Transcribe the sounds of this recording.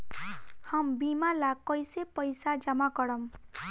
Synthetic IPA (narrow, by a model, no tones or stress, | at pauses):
hambimalakʌjsepʌjsad͡ʒʌmakʌɽʌm